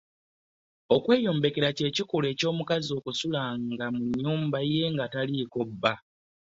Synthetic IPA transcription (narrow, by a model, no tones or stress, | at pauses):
o̞kwe̞ːjo̞ːmbe̞ke̞ɾace̞ːcikule̞ːco̞ːmukazio̞ːkusulaŋɡamuɲɲːuːmbaje̞ŋɡataliko̞bːa